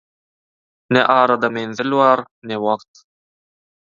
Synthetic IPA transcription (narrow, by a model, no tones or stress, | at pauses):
nḛʔɑːɾɑd̪ɑmenθilβɑːɾ | newɑqt̪